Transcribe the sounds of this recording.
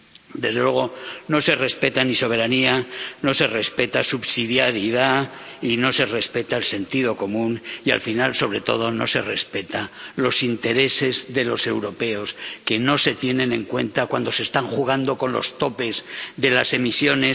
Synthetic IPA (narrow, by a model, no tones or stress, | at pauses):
d̪e̞zðelwe̞ɣ̞ono̞se̞re̞spe̞t̪aniso̞β̞e̞ɾaniano̞se̞re̞spe̞t̪asuβsiðjaɾiðaino̞se̞re̞spe̞t̪aelse̞nt̪iðo̞ko̞mũnia̰lfinalso̞β̞ɾe̞t̪o̞̰ð̞o̞no̞̰se̞re̞spe̞t̪alo̞sint̪e̞ɾe̞se̞zðe̞lo̞se̞wɾo̞pe̞o̞ske̞no̞se̞t̪je̞nẽ̞nẽ̞ŋkwe̞̰nt̪akwand̪o̞sest̪aŋxuɣ̞and̪o̞ko̞nlo̞̰st̪o̞pe̞zðe̞lase̞misjo̞ne̞